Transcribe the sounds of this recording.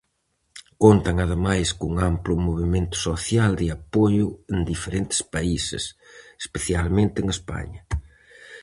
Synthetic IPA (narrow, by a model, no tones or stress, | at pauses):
kont̪ɐŋaðemajskʊŋamplʊmoβemẽnt̪ʊ̥soθjald̪ɪapojʊend̪ifeɾent̪ɪ̥spaisɪ̰s | e̥speθjalmẽnt̪ɪeŋespa̰ɲɐ